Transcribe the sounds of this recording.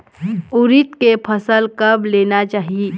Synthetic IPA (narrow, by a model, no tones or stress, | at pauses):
ʊɾɪt̪kepʰɐsəlkɐbleːnat͡ʃaːɦie